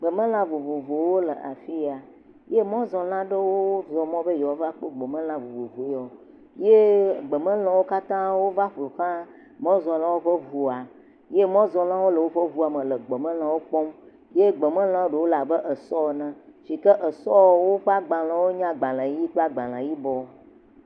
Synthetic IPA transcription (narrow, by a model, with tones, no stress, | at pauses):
ɡ͡bə˨mə̃˦l̃ã˦vo˨vo˨vo˨wo˦lə˨ʔa˨fi˦a˨ | je˦mɔ̃˦zɔ˨l̃ã˦ɖə˦wo˦zɔ˨mɔ̃˦bə˦jɔ˨˦va˦k͡po˦ɡ͡be˨mə̃˦l̃ã˦vo˨vo˨vo˨˦ɔ˨ | je˦ɡ͡bə˨mə̃˦l̃ɔ̃˨wo˦ka˦t̪ã˦wo˦va˦ɸlo˨xã˦ | mɔ̃˦zɔ˨lã˦wo˦ɸə˦vu˨a˨ | je˦mɔ̃˦zɔ˨l̃ã˦wo˦lə˨wo˦ɸə˦vu˦a˨mə̃˨lə˨ɡ͡bə˨mə̃˦l̃ã˦wo˦k͡pɔ˦m | je˦ɡ͡be˨mə̃˦l̃ã˦wo˦ɖə˨wo˦la˨bə˦ʔə˨sɔ˦˨nə̃˦ʃi˨kə˦ʔə˨sɔ˦wo˦ɸa˦ɡ͡bã˨l̃ã˨wo˦ɲã˦ɡ͡bã˨lã˨ji˦k͡po˦a˦ɡ͡bã˨l̃ã̰˨ji˦bɔ˨